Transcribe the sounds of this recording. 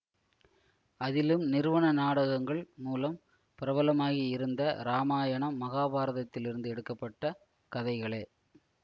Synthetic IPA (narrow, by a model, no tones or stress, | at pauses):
ɐðɪlɯmnɪɾɯʋɐɳɐnaːɽɐɣɐŋɡɐɭmuːlɐm | pɪɾɐbɐlɐmaːɣiɪɾɯnd̪ɐɾaːmaːjɐɳɐmːɐɣaːbaːɾɐðɐt̪ːɪlɪɾɯnd̪ɯɛɽɯkːɐpːɐʈːɐ | kɐðɐɪɣɐɭeː